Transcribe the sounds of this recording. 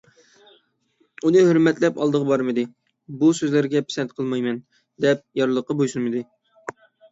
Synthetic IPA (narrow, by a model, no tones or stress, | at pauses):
unɨhøɾmɛt̪lɛpɑlˠd̪əʁɑbɑɾmɨd̪ɨ | busøzlɪɾɡʲɛpʰi̥sɛnt̪̚qʰəlˠmɑjmɛn | d̪ɛp̚jɑɾlˠəqːɑbojsulˠmɨd̪ɨ